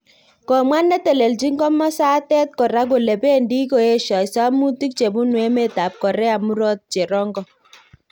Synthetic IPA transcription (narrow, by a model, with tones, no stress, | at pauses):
kɔ˨mwa˦nːɛ˦te˨le˨ld͡ʒi˦ŋɡɔ˦mɔ˦sa˦tɛ˦t̚kɔ˨ɾa˦k̬o˨le˨be˦ndi˦ko˨e˦ʃɔ˨sa˦mu˦ti˦k̚t͡ʃe˨bu˦nwe˦me˦˨ta˨p̚kɔ˨ɾɛ˦a˨mu˦ɾɔ˦t̚t͡ʃe˨ɾɔ˦ŋɡɔ˦